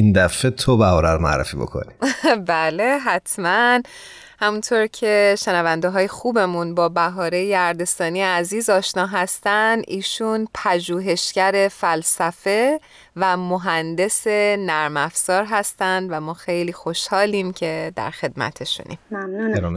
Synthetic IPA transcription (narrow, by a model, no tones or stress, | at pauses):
ind̪æfet̪ʰobæɦɒːɾæɾmæ̰ɾːḛfḭːbo̰kʰo̰nibæːle̞ɦæt̪ʰmæn | hæmunt̪ʰoɾcʰe̞ʃenævænd̪eɦɒːjexuːbe̞munbɒːbæɦɒːɾejjæɾd̪e̞st̪ɒːnijeæziːzɒːʃnɒːɦæst̪ænd̪ʔiːʃunpʰæʒuːɦe̞ʃcæɾe̞fælsæfe̞ | væmoɦænd̪e̞se̞næɾmæfz̥ɒːɾɦæst̪ænd̪væmɒːxe̞jliːxo̞ʃhɒːliːmcʰe̞d̪æ̰ɾxe̞d̪mæ̰t̪ʰe̞ʃṵnʔḭmanueɾm